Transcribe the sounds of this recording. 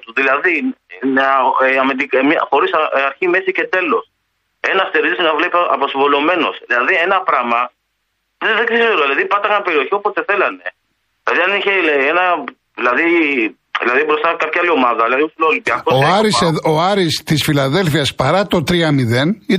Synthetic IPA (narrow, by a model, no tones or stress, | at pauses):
t̪uðilɐði | ɐmet̪ikmɐxo̞ɾisɐɾçime̞sice̞t̪e̞lo̞s | e̞nɐst̪eɾisinɐvle̞piɐposivo̞lo̞me̞no̞̰silɐðienɐpɾɐmɐ | ððeksisoɾoðilɐðipɐt̪ɐɣɐnpeɾio̞çio̞post̪e̞θe̞lɐne̞ | ilɐðiɐniçeenɐ | ðilɐði | ðḭlɐðibɾost̪ɐkɐp̚çiɐlio̞mɐðɐðilɐðiusilolipiɐkosoɐɾiseðoɐɾist̪isfilɐðe̞lfiɐspɐɾɐt̪o̞t̪ɾiɐmiðe̞ni